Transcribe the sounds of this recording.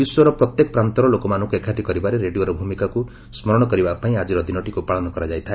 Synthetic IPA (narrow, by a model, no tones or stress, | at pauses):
uswɔɾɔpɾɔt̪jekɔ̥pɾant̪ɔɾɔlokɔmanɔ̃ŋkuekʰaʈikɔɾibaɾeɾeɖioɾɔbʱumikaku | smɔɾɔɽɔkɔɾibapaĩad͡ʒiɾɔd̪inɔʈikupaɭɔnɔkɔɾad͡ʒajt̪ʰae